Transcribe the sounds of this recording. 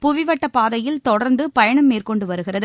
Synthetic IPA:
pʊʋɪʋɐʈːɐpːaːðɐjɪlt̪ɔɽɐɾnd̪ɯpɐjɐɳɐmːeːrkɔɳɖɯʋɐɾɯɣɪrɐðɯ

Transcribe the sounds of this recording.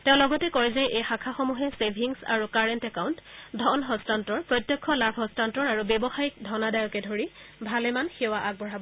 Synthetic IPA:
tẽʊ̃lɔɡɔtɛkɔɹizajʔejxakʰaxɔmuɦɛsebʱiŋsa̰ɹukaɹɛntɛkawntdʱɔnɦɔstantɔɹpɹɔtjɔkʰːɔlabʱɦɔ̃stantɔɹaɹubebɔxaik̚dʱɔnadajɔkɛdʱoɹibʱalɛmanxɛwaʔaɡ̚bʱɔɹabɔ

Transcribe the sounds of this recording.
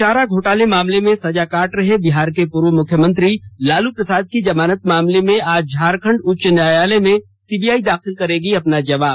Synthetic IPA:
t͡ʃaːɾaɡʱoːʈaːlemaːmlemẽsɐd͡ʒakaːʈɾɐɦebɪɦaːɾkepuːɾʋəmʊkʰjəmə̃nt̪ɾilaːlupɾɐsaːd̪̚kid͡ʒɐmaːnət̪̚maːmlemẽaːd͡ʒd͡ʒʱaːɾkʰə̃ɳɖʊtːʃənjaːjaːlemẽ | siːbiːaːid̪aːxɪlkɐɾẽːɡiɐpnad͡ʒɐʋaːb

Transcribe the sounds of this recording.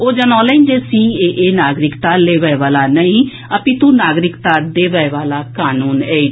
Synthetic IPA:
oːd͡ʒənɔ̃ːləĩnd͡ʒeːsiːeːʔeːnaːɡɾɪkt̪aːleːʋəeʋaːlaːnəĩː | əpĩːt̪ũːnaːɡɾɪkt̪aːd̪eːʋɛeʋaːlaːkaːnuːnɛː

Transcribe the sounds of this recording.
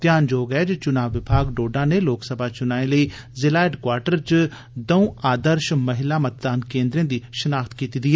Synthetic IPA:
t̪jaːnd͡ʒoːɡɛːd͡ʒt͡ʃʊnaːʋːɪbʱaːɡɖoːɖãːneːloːksəbʱaːt͡ʃʊnaːẽləiːzɪlaːɪɖkwaːɾʈəɾt͡ʃ | d̪əũːaːd̪əɾʃməɦɪlaːmət̪̚d̪aːnkẽːnd̪ɾẽːd̪iːʃənaːxt̪kiːt̪iːd̪iːɦɛː

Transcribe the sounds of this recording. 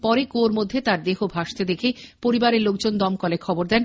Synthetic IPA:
pɔɾekoɾmod̪ʱːet̪aɾd̪eɦobʱaʃt̪ed̪ekʰepoɾibaɾeɾlokd͡ʑond̪ɔmkɔlekʰɔboɾd̪ɛn

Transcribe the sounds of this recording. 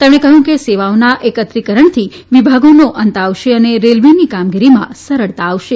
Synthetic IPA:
t̪emɽ̃ẽkəɦũkeseʋaonaʔekət̪ɾikəɾəɳt̪ʰi | ʋibʱaɡonoʔənt̪aʋʃeəneɾelʋinikamɡiɾimã̰səɾəɭt̪aːʋʃe

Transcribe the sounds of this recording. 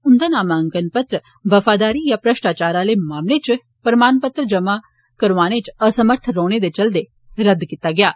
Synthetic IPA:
ʊnd̪aːnaːmaə̃ŋkənpət̪ɾə | ʋəfʰaːd̪aːɾijapɾəʃʈaːt͡ʃaːɾaleːmaːmlet͡ʃ | pəɾmaːnpət̪ɾəd͡ʒɐma | kəɾʋaːñet͡ʃəsəməɾt̪ʰɾoːɽ̃ed̪et͡ʃɐld̪e | ɾəd̪kit̪aɡɪjaː

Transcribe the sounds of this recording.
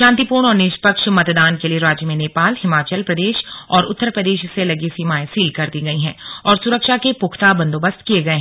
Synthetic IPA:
ʃãːnt̪ipuːɾɳ̃ɔːɾnɪʃpəkʃmɐt̪d̪aːnkelieɾaːd͡ʒjəmẽneːpaːlhɪmaːt͡ʃəlpɾɐd̪eːʃɔːɾʊt̪ːəɾpɾəd̪eːʃselɐɡisiːmaːẽsiːlkɐɾd̪iɡɐiɦɛ̃ːɔːɾsʊɾəkʃakepʊkʰt̪abɐ̃nd̪oːbəst̪kieɡɐeɦɛ̃

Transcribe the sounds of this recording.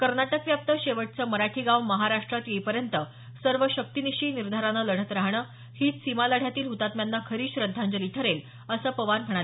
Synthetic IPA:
kəɾnaʈəkʋjap̚t̪əɕeʋəʈ̚t͡səːməɾaʈʰiːɡãwməɦaɾaʂʈɾat̪jeipəɾjənt̪ə | səɾʋəɕək̚t̪iniɕiːniɾd̪ʱaɾanələɽ̤ət̪ɾaɦɳ̃əː | hiːt̪simaləɽjat̪iːlɦut̪at̪mjanːakʰəɾiːɕɾəd̪ʱːand͡ʑəliʈʰəɾel | əsəːpəʋanm̤əɽ̃al

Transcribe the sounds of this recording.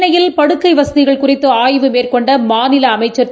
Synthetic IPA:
nɐjɪlpɐɽɯkːɐɪʋɐsɐðɪɣɐɭkʊrɪt̪ːɯaːjʋɯmeːrkɔɳɖɐmaːnɪlɐːmɐɪt͡ʃːɐɾ

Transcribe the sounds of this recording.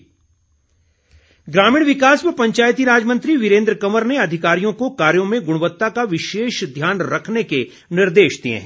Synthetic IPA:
ɡɾaːmĩːɽ̃ʋɪkaːsbəpɐ̃ɲt͡ʃaːjt̪iɾaːd͡ʒmə̃nt̪ɾiʋɪɾẽːnd̪ɾəkɐməɾneɐd̪ʱɪkaːɾijõkokaːɾjõmẽɡʊɽ̃ʋət̪ːakaʋɪʃeːʃd̪ʱjaːnɾɐkʰneke | nɪɾd̪eːʃd̪iḛ̃ɦ

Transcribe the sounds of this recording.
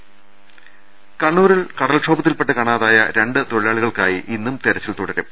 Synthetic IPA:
kɐɳːuːɾiɭkɐɽɐlʂo̞ːbɐt̪ːilpe̞ʈːɨkɐɳaːðaːjɐ̰ɾe̞ɳɖɨt̪o̞ɻijaːɭiɣɐɭka̰ːjiʔinːumt̪eɾɐt͡ɕːilt̪uɽɐɾu

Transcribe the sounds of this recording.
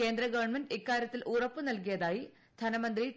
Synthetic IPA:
e̞ːnd̪rɐɡɐʋɐɳmenɖikːaːɾʲjɐt̪ːilʔuːrɐpːɨnɐlk̬ijɐðaːji | d̪ʱɐnɐmɐnd̪ri

